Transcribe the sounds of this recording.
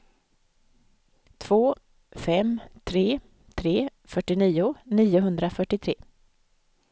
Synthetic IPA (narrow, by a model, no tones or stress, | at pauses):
t̪ʰv̥oː | fɛmt̪ʰɾeː | t̪ʰɾeːfœʈːɪniːʊniːʊɦɵnd̪ɾafœʈːɪt̪ʰɾeː